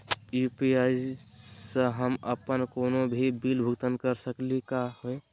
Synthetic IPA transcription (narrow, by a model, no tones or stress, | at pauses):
jupiaisəɦəməpənkoːnobʱibilbʱʊɡt̪ənkəɾsəklikahoe